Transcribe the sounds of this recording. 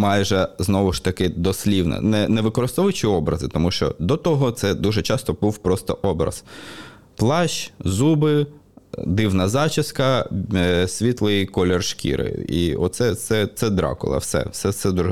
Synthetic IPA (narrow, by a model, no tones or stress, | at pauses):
mɑjʒɛznɔʋʊʃt̪ɐkɪd̪ɔsʲlʲiwnɛ̰nɛnɛʋɪkɔɾɪst̪ɔʋʊt͡ʃɪɔbɾɐzɪt̪ɔmuʃt͡ʃɔ̰d̪ɔt̪ɔɦɔt̪sɛd̪uʒɛt͡ʃɑst̪ɔbuwpɾɔst̪ɔʔɔbɾɐ̰z̥ | plˠɑʃzubɪ | d̪ɪwnɐzɑt͡ʃɪskɐ | sʲʋʲit̪lˠɪjkɔlʲɛrʃkʲḭɾɪ̰ḭɔ̰tt̪sɛsɛt̪sɛd̪ɾɑ̰kʊ̰lˠɐ̰wsɛ̰sɛt̪sɛd̪uʒɛ